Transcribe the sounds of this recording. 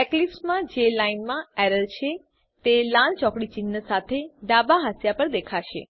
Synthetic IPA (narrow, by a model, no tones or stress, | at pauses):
ɛklifsmãd͡ʒelainmãɛɾəlt͡ʃʰe | t̪elãlt͡ʃɔkɽit͡ʃinːəsat̪ʰeɖabaɦasjapəɾd̪ekʰaʃḛ